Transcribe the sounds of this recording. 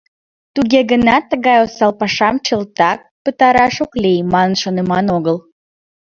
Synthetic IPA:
t̪uɣeɣənɑt̪ːəɣɑjosɑlpɑʃɑmt͡ɕəlt̪ɑk̚pət̪ɑɾɑʃoklejmɑnənʃonemɑnoɣəl

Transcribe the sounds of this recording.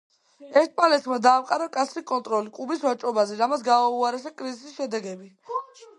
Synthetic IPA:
ɛɾt̪̚ʰpʼalɛt̪ʰmad̪aːmqʼaɾakʼat̪sʰɾikʼɔnt̪ʼɾɔlikʼubisvat͡ʃʼɔbazɛɾamat̪sɡaauaɾɛsakʼɾizisisʃɛd̪ɛɡɛbi

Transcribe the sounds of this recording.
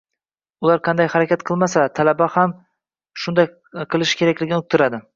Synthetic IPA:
ʊlˠaɾqʰɑnd̪ajhaɾakʲat̪̚qʰɨlˠmasat̪ʰalabaham | ʃʊnd̪aj | qʰɨlˠɪʃkʰʲe̞ɾakʲlɪɡʲɪnʊk̚t̪ʰɪɾad̪ɪ

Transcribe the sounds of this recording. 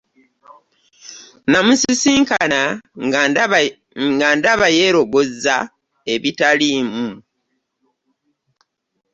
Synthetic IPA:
namusisiːŋkana | ŋɡandaβajeɾo̞βozːa | e̞βitaliːmu

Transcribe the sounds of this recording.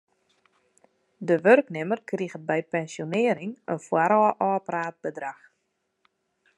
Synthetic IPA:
dəʋørknɪmərkriɣəbɛjpɛnsjonɪəɾɪŋənfwaɾɔːʔɔːpraːt̚bədrax

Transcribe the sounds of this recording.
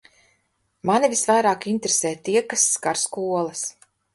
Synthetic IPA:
manivisvajɾaːkint̪ɾesɛːt̪iɛkasːkaɾskuɔlˠas

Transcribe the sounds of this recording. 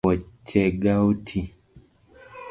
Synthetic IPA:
ɔt͡ʃɛɡautʰi

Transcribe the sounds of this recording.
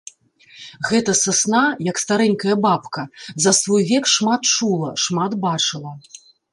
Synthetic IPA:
ɣɛt̪ɐsasnajɐkst̪aɾɛŋʲkɐjɐbapkɐzɐsvɔjvʲɛkʂmat̪t͡ʂulˠɐʂmat̪bat͡ʂɨlˠɐ

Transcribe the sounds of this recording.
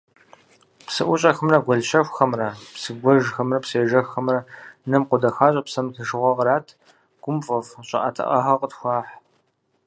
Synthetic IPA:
psɨʔʷʊɕʼɐxəmrɐɡʷɔɮʃɐfʷxɐmrɐpsɨɡʷɔʒxɐmrɐpseːʒɐxɐmrɐnɐmqʷʊdɐxaːɕʼɐpsɐmɬʰɨʒɨʁʷɔʁɾaːtʰ | ɡ̥ʷʊmfʼɐfɕʼɪ̰ʔɐ̰tʰɨ̰ʔɐ̰xɐqʼətxʷɑːħ

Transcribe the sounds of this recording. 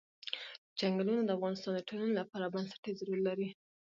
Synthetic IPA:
d͡ʒaŋɡalunod̪əafɣɑnɪst̪ɑnd̪əʈʰolanolapɑɾabansḁʈezaɾuɾalaɾi

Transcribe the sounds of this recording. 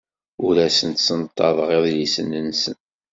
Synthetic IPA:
ʊɾæsənt̪sənt̪ˤːɑðˤʁeðlisənːənːsən

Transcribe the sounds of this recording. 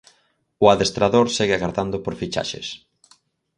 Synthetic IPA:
ʊaðest̪ɾaðoɾsɛɣɪaɣaɾðand̪ʊpoɾfit͡ʃa̰ʃḛs

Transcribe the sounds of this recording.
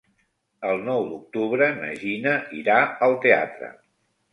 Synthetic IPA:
əlˠnɔwd̪uk̚t̪uβɾəmə̰ʒinəḭɾaəlˠt̪ea̰t̪ɾə̰

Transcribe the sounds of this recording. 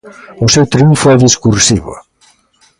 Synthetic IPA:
ʊsewt̪ɾeuɱfʊɛðeskuɾsiβʊ̰

